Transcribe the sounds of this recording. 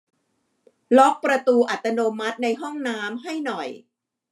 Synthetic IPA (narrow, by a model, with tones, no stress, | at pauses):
lɔ˦˥k̚pɾa˧t̪uː˧ʔa˨˩t̪ːa˧noː˧ma˦˥t̪̚na˧jɦɔ˥˩ŋnaː˦˥mɦa˥˩jnɔ˨˩j